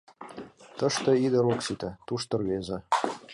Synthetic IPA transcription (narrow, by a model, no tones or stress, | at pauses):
t̪ɤ̆ʃt̪ɤ̆id̪ə̆ɾoksit̪ɘ̆t̪uʃt̪ɤ̆rβezɘ̆